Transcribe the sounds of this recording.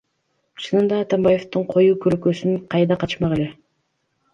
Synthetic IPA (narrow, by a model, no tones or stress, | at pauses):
t͡ʃʰɯnɯnd̪ɑːt̪ambɑje̞ft̪uɴqʰo̞juːkʰølkøsynqʰɑjd̪ɑqʰɑt̪ʃmɑʁele̞